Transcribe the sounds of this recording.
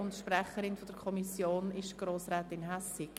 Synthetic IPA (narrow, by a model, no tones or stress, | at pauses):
ʊntʃprɛχəɾɪnfɔd̥əɾkʰɔmisjoːnɪʃɡ̥ɾoːsɾɛːtɪnɦɛsɪk